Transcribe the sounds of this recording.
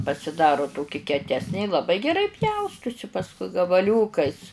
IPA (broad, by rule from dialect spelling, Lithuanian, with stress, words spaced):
pɐsʲɪˈdɑːrʊ ˈtoːkʲɪ kʲɛˈtʲæːsʲnʲeː ɪ lˠɐˈbɐɪ ɡʲɛˈrɐɪ ˈpʲjɛʊstʊsʲɪ pɐsˈkʊɪ ɡɐbɐˈlʲuːkɐɪs